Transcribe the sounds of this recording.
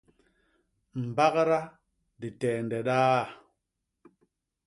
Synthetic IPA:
m̩˨ba˦kɾa˦ | di˨tɛː˨n˨dɛ˨ɗaː˦˨

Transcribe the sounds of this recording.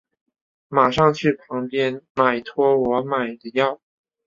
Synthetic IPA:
ma˨˩ʂɑ˥˧ŋt͡ɕʰy˥˩pʰɑ˧˥ŋpjɛ˥nma˨˩ɪt̪ʰwɔ˥wɔ˧˥ma˨˩ɪd̪ə˧jɑ˥˩ʊ

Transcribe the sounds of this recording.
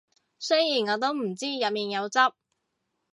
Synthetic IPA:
sɵ˥jjiː˨˩nɔː˨˧t̪̬o˥wm̩˨˩t͡siː˥jɐ˨t̚miː˨njɐ˨˧wt͡sɐ˥p̚

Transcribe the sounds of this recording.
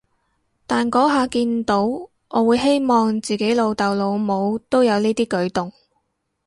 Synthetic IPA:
t̪aː˨nkɔː˨˥ɦaː˨˧kiː˧nt̪o˨˥w | ʔɔː˨˧wuː˨˧jɦe˥jmɔː˨ŋt͡siː˨˩ke˨˥jlo˨˧wt̪ɐ˨wlo˨˧wmo˨˧wt̪o˥wjɐ˨˧wniː˥t̪iː˥kɵ˨˥ɥt̪ʊ˨ŋ

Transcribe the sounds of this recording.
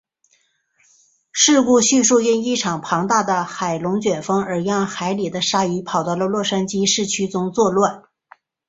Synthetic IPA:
ʂɻ̩˥˧ku˥˧ɕy˥˧ʂu˥˧i˥˧ni˥˩ʈ͡ʂʰɑ˨˩ŋpʰɑ˧˥ŋt̪a˥˩d̪ə˩xa˨˩ɪlʊ˧˥ŋt͡ɕɥɛ˨˩fɤ˥ŋə˞˧˥jɑ˥˩ŋxa˧˥ɪli˨˩d̪ə˦ʂa˥i˧˥pʰɑ˨˩ʊt̪ə˧lə˧lwɔ˥˩ʂa˥nt͡ɕi˥ʂɻ̩˥˩t͡ɕʰy˥t͡sʊ˧˥ŋt͡swɔ˥˧lwa˥˩n

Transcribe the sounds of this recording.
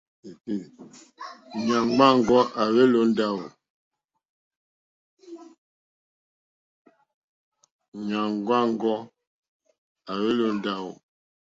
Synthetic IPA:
e˨ti˦˨ | ɲa˨ŋɡ͡ba˦ŋ˦˨ɡɔ˦ʔa˨βe˦lo˦n˦da˦˨wo˨ | ɲa˨ŋɡ͡ba˦ŋ˦ɡɔ˦ | a˨βe˦lo˦n˦da˦wṵ˨

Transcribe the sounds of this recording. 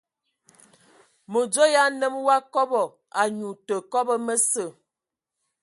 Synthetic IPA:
mo˨d͡ʒo˦ja˦nə˦mwa˦kɔ˦bɔ˨ | a˨ɲu˨tə˨kɔ˦bə˦mə˦sə˨

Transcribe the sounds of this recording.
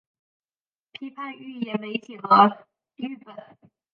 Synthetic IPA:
pʰi˧˥pʰa˥˧ny˥˩jɛ˨˩nme˧˥ɪt̪ʰjɛ˨˩d̪ə˧˦ | y˥˩pə˨˩˦n

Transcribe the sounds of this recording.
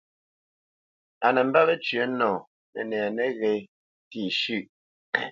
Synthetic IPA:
a˨nɛ˨m̩˦ba˦lə˦t͡ʃɥə˦nɔ̃ː˨ | nɛ̰˨nɛ˨nɛ˦ɣɛ˨ | ti˦˨ʃʉ˦˨ʔ

